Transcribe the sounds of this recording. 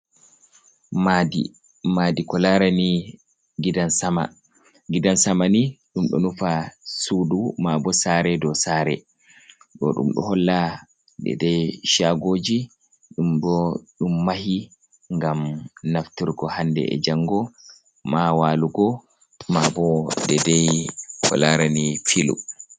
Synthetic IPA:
madḭ | madikɔlaɾani | ɡidansama̰ | ɡidansamaniɗumɗɔ̰nufasudumabɔsaɾɛdɔsaːɾɛ̰ | ɗɔ̰ɗṵmɗɔ̰hɔlːa | ɗɛ̰dɛʃaɡoːd͡ʒi | ɗumbɔɗumːahi | ŋɡamnaftiɾɡɔhandɛ̰ɛ̰d͡ʒaŋɡɔ | mawaluɡɔ | mabɔdɛdɛjhɔ̰laɾanifilṵ

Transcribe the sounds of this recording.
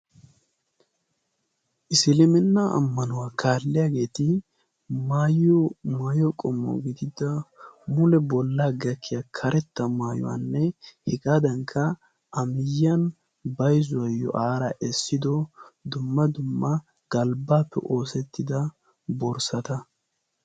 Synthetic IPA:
ʔɪsɪlɪmɛnːaɐ̰mːɐnʊwaːkʰaːlːɪjaːɡe̞ːt̪ɪ | maːjɔmaːjɔkʼɔmːɔ̰ɡɪd̪ɪd̪ɐmʊlɛbɔlːaːɡɐkʰːɪjakʰɐɾʔɛt̪ːɐmaːjɔ̰wa̰nːɛhɪkʼaːd̪ɐŋkʰːɐ | ʔɐmɪjɐn | bɐjzʊwɐjɔ̰ʔaːɾɐʔɛsːɪd̪ɔd̪ʊmːɐd̪ʊmːɐ | ɡ̥ɐlbaːpːɛ̰ʔo̞ːsɛt̪ːɪd̪ɐ | bɔɾsɐt̪ɐ

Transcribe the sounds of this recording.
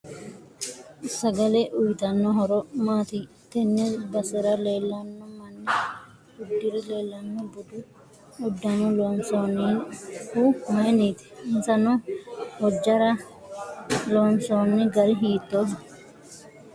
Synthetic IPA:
sɐɡɐlɛʔʊjt̪ɐnːɔɦɔɾɔmaːt̪i | t̪ɛnːɪɾbɐsɛɾɐleːlːɐnːɔmɐnːɛ | bʊdːɪɾɛleːlːɐnːɔbʊd̪ʊ | ʊdːɐnʊloːnsoːnːihumɐjniːt̪ɛ̥ɪnsɐnɔhɔd͡ʒːɐɾɐ | loːnsoːnːɪɡɐɾɪɦiːt̪ːoːɦ

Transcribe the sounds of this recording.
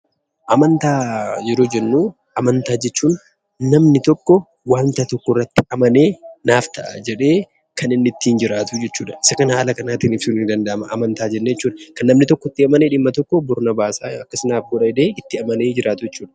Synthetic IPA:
ʔɐmɐnt̪aːd͡ʒɛɾuːd͡ʒɛnːuː | ɐmɐnt̪aːd͡ʒɛt͡ʃːuːn | nɐmnɪt̪ɔkːɔ | waːnt̪at̪ɔkːɔɪrːɐt̪ːɪɐmɐne̞ːnaːft̪ɐʔɐ̰d͡ʒɛᶑe̞ː | kɐnɪnːɪt̪ːiːnd͡ʒɪɾaːt̪ʊd͡ʒɛt͡ʃːuːᶑɐɪ̥sɐkɐnhaːlɐkɐnaːt̪ɪnɪfsuːnɪnd̪ɐnd̪ɐʔɐmɐʔɐmɐnt̪aːd͡ʒɛnːejɛt͡ʃːuːᶑɐkɐnːɐmnɪt̪ɔkːɔɪt̪ːɪɐmɐneᶑɪmːɐt̪ɔkːɔbʊɾnɐbaːsaːɐkːɐsɪnaːfɡɔᶑɐɪd̪eːɪt̪ːɪɐmɐneːd͡ʒɪɾaːt̪ʊjɛt͡ʃːuːᶑɐ̥

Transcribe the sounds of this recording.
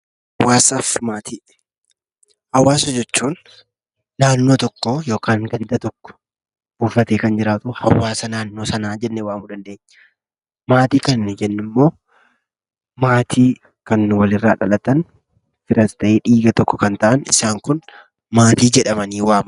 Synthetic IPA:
hɐwʔaːsɐfmaːt̪iː | hɐwaːsɐd͡ʒɛt͡ʃːuːnː | aːnːo̞ːt̪ɔkːɔjo̞ːkaːŋɡɐnd̪ɐt̪ɔkːɔ̥ | b̥uːfɐt̪eːkɐnd͡ʒɪɾaːt̪ʊhɐ̰wːaːsɐnaːnːoːsɐnaːd͡ʒɛnːɛwaːmuᶑɐnd̪e̞ːɲː | maːt̪iːkɐnd͡ʒɛnːɪmːo̞ː | maːt̪ʰiː | kɐnːwɐlɪrːaːᶑɐlɐt̪ɐn | fɪɾɐst̪ɐʔeːᶑiːɡɐt̪ɔkːɔkɐnt̪ɐʔɐnɪ̰saːŋkʊn | maːt̪iːd͡ʒɛᶑɐmɐniːwaːm

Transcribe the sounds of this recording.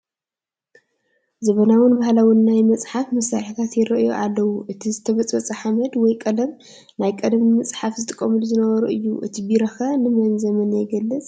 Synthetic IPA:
zɐβɐnawʊnbahlawʊnːajmɐt͡sʼħafmɐsɾaħit̪ʰat̪jɪɾɐʔjo̰ʔalːɐwuʔɨt̪ʰizɨt̪ʰɐβɐt͡sʼɐt͡sʼɐħamɐd̪wɔjkʼɐlɐm | najkʼɐd̪mimɨt͡sʼħafzɨt̪ʰʼɨkʼːɐmɨlzɨnɐβɐɾuɨjːuʔɨ̰t̪ʰibiɾɐxɐnɨmɐnzɐmɐnɛjɡɐlːɨt͡sʼ

